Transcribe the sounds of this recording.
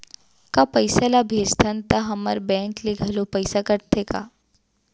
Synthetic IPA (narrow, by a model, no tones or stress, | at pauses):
kapəɪsalabʱeːd͡ʒt̪ʰənt̪aɦɐmə̰ɾbɛ̃ːŋkleɡʱɐlopəɪsakɐɾt̪ʰeka̰ː